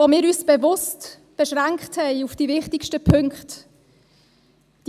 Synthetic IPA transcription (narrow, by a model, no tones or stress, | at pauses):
omɪːɾyːsb̥ɛvʊst | b̥ɛʃʁɛŋkthɛɪufd̥iːvɪχtɪʃtəpʰʏŋkχt | d̥